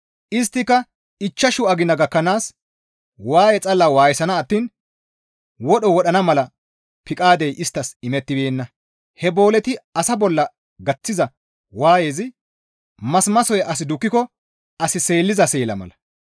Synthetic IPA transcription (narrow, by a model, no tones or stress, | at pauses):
ʔɪst̪ːɪkːɐ | ɪt͡ʃːɐʃʊɐɡɪnɐɡɐkːɐnaːs | waːjɛt͡sʼɐlːawaːjsɐnɐːt̪ːiːn | wɔɗɔwɔɗɐnɐmɐlɐ | pɪkʼaːd̪ɛjʔɪst̪ːɐsɪmɛt̪ːɪbeːnːɐ | hɛbo̞ːlɛt̪ɪɐsɐbɔlːɐ | ɡɐt͡sːɪzɐ | waːjeːzɪ | mɐsmɐsɔjɛʔɐs̬ɪd̪ʊkːɪkɔ | ɐsɪse̞ːlːɪzɐse̞ːlɐmɐ̰lɐ